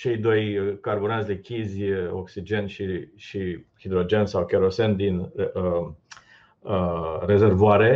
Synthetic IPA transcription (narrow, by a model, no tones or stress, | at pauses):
t͡ʃe̞jd̪o̞jkarbuɾansʲd̪ekʲizʲoksid͡ʒe̞nʃiʃihid̪ɾo̞d͡ʒe̞nsawkʲeɾosend̪in | re̞ze̞rvoaɾe̞